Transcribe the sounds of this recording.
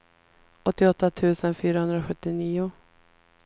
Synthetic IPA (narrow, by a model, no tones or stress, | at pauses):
ʔɔt̪ːɪɔt̪ːat̪ʰʉ̟ːsənfyːɾahɵnd̪ɾaɧɵt̪ːɪniːʊ